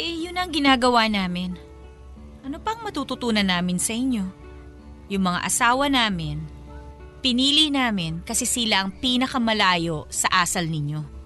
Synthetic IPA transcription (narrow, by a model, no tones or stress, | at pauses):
ʔɛjʊnːɐɐŋɡɪnaːɡɐwanaːmɪn | ʔɐnopɐŋmɐt̪uːt̪ʊt̪uːnɐnːaːmɪnsɐʔɪɲjo̞ | jʊŋmɐŋa̰ʔɐsaːwɐnaːmɪn | pɪniːlinaːmɪnkɐsɛsɪlaʔɐŋpiːnɐkɐmɐlaːjo̞sɐʔaːsɐlnɪɲo̞